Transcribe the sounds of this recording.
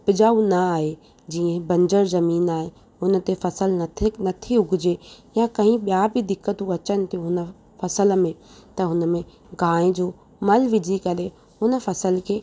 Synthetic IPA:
pɪd͡ʑaːũnɐaːɦe | d͡ʑiːə̃bɐ̃ɲd͡ʑəɾzɐmiːnaːɦe | ʊnə̆t̪efɐsəlnɐt̪ʰnɐt̪ʰiʊɡɪd͡ʑejãkɐ̃ɦĩɓijabɪd̪ɪkːət̪ũɐt͡ɕənɪ̆t̪ʰĩɦʊnə̆ | fɐsələmẽ | t̪ɐɦʊnəmẽ | ɡaːɽ̃ẽd͡ʑoː | mɐlʋɪd͡ʑʱikɐɾe | ɦʊnə̆fɐsəlkʰeː

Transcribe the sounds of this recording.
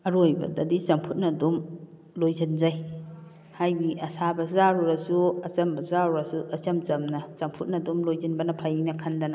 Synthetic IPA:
ɐɾojbɐ̰dɐdit͡ʃɐŋpʰut̚nɐdum | lojzɐnzaj | hajbiɐsabɐzaɾuɾɐsuɐt͡ʃɐmbɐzaɾuɾɐsuɐt͡ʃɐmt͡ʃɐmnɐsɐŋpʰut̚nɐdumlojzɐnbɐnɐpʰajnɐkʰɐndɐnɐ

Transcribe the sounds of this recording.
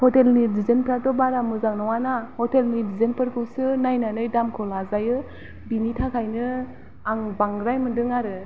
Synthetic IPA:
hɔtelnidizenpʰɾatɔbaɾamɯzaŋnɔwanahɔtelnidizenpʰɯɾkʰɯwsɯnajnanɯjdamkʰɔlazajɯ | binitʰakʰajnɯ | aŋbaŋɡɾajmɯndɯŋaɾɯ

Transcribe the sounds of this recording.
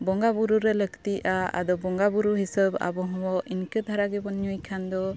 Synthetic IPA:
bɔŋɡabuɾuɾɛləkʰt̪iʔaa̰d̪ɔbɔŋɡabuɾuɦisəba̰bɔɦɔ̃wɔʔinkəd̪ʱaɾaɡɛbɔnɲujkʰand̪ɔ

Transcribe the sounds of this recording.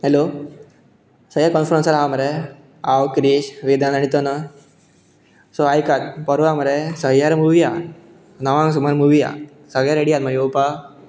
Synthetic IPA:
ɦelo | səɦjaɾkɔnfɾənsəɾɦaməɾe | awkɾiɕʋid̪anaɽit̪ənə | soajkat̪̚pəɾʋaməɾesəɦjaɾmuʋija | nəʋãŋɡs̬umaɾmuʋija̰ | səɡɭjaɾeɽijat̪̚məɡeupa

